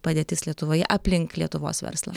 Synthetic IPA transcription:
pɐd̪ʲeːt̪ʲɪslʲiɛt̪ʊʋoːjɛ̰ʔɐpʲlʲɪŋklʲiɛt̪ʊʋo̰ːsʋʲɛ̰ɾslˠɐ̰

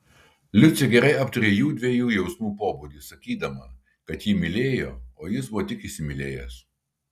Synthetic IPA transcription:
lʲʊsʲɛɡʲɛɾɐɪʔɐpt̪ɐɾʲeːjuːd̪ʲʋʲeɛjuːjɛʊsmuːpoːbuːd̪ʲisɐkʲiːd̪ɐmɐ | kɐt̪jiːmʲɪlʲeːjo̰ːoːjɪsbʊʋɔːt̪ʲɪkɪsʲɪmʲɪlʲḛːjɛ̰s

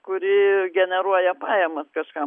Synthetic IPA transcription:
kʊɾʲɪɡʲɛnʲɛɾuɔjɛpɑːjɛmɐskɐʃkɑ

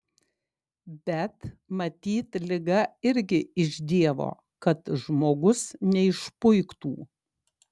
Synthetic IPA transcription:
bʲɛt̪mɐt̪ʲiːt̪lʲɪɡɐɪɾʲɡʲɪɪʒd̪ʲiɛʋo̰ː | kɐt̪ʒmoːɡʊsnʲɛɪʃpʊɪkt̪ṵː

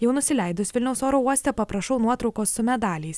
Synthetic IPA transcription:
jɛʊnʊsʲɪlʲɛɪd̪ʊsʋʲɪlʲnʲɛʊsoːɾoːuɔsʲt̪ʲɛpɐpɾɐʃɐʊnuɔt̪ɾɒʊkoːsːʊmʲɛd̪ɑːlʲɛɪs

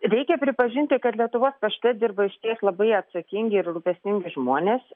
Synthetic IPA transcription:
ɾʲɛɪkʲɛpʲɾʲɪpɐʒʲɪnʲt̪ʲɪkɐt̪lʲiɛt̪ʊʋoːspɐʃʲt̪ʲɛd̪ʲɪɾbɐɪʃʲt̪ʲiɛslˠɐbɐɪɐt̪sɐkʲɪŋʲɡʲɪɪɾɡɾʊpʲɛsʲnʲɪŋʲɡʲɪʒmuɔnʲeːs

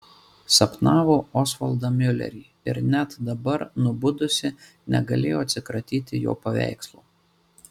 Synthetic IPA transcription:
sɐpnɑːʋoːɔːsʋɐlˠd̪ɐmʲʏlʲɛ̰ɾʲiː | ɪɾnʲɛt̪d̪ɐbɐɾnʊbʊd̪ʊsʲɪ | nʲɛ̰ɡɐlʲeːjoːɐt̪sʲɪkɾɐt̪ʲiːt̪ʲɪjo̰ːpɐʋʲæ̰ˑɪkslˠuː

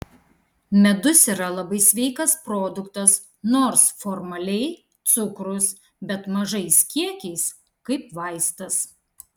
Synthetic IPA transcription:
mʲɛd̪ʊsiːɾɐlˠɐbɐɪsʲʋʲɛɪkɐspɾoːd̪ʊkt̪ɐs | noːɾsfɔɾmɐlʲɛɪ | t̪sʊkɾʊs | bʲɛt̪mɐʒɐɪsʲkʲiɛkʲɛɪs | kɐɪpʋɐɪst̪ɐs

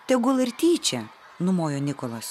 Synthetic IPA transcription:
t̪ʲɛɡʊlˠɪɾʲt̪ʲiːt͡ʃʲɛ | nʊmoːjoːnʲɪkolˠɐs

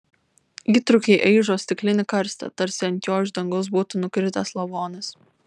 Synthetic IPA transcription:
iːt̪ɾʊkʲɛɪʔɛɪʒoːsʲt̪ʲɪklʲɪnʲɪkɐɾst̪ɐ̰t̪ɐɾʲsʲɪɐnʲt̪ʲjoːʒd̪ɐŋɡoʊs̬buːt̪ʊnʊkʲɾʲɪt̪ɐslˠɐʋoːnʲɪs

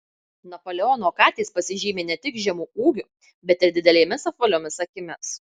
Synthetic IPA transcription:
nɐpoːlʲɛɔnoːkɑːt̪ʲeːspɐsʲɪʒʲiːmʲeːnʲɛt̪ʲɪkʒʲɛmuːuːɡʲʊ | bʲɛt̪ɪɾd̪ʲɪd̪ʲɛlʲeːmʲɪsɐfʋɐlʲoːmʲɪsɐkʲɪmʲɪs

